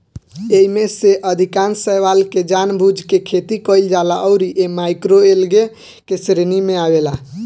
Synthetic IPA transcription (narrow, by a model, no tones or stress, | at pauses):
eimeseʔəd̪ʱikansəʋalked͡ʒanbʱud͡ʒʱkekʰet̪ikəld͡ʒalaʔɔʊɾiʔemajkɾoelɡe | kesɾenimeabela